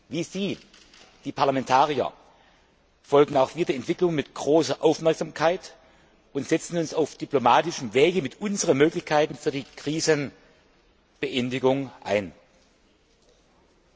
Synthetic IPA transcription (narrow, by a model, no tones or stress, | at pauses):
viːziː | d̥iːpʰaɐlamɛntʰaːʁiɐ̰ | fɔlɡŋ̩aʊxv̥iːɐdiɐɛntv̥ɪklʊŋmɪtɡ̥ʁoːsɐʔaʊfmɛɐkz̥amkʰaɪt | ʊntz̥ɛt͡sn̩ʊnsaʊfd̥yplomaːtɪʃəm̩veːɡəmɪtʔʊnzəʁəmøːklɪçkʰaɪtn̩fyːɐdiːkʁ̥iːzən | b̥əʔɛndɪɡʊŋʔa̰ɪn